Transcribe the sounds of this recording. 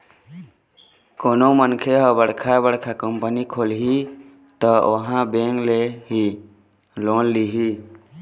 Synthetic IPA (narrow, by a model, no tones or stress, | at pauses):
konomənkʰeɦəbəɽkʰabəɽkʰakəmpənikʰolɦi | t̪ɔo̰ɦãbeŋɡleɦi | lonːiɦi